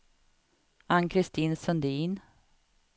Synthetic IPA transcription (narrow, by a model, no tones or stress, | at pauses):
ankʰɾɪst̪iːnsœnd̪iːn